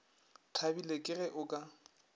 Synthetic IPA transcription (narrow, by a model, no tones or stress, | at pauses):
tʰabilekʼɪrɛʔʊkʼa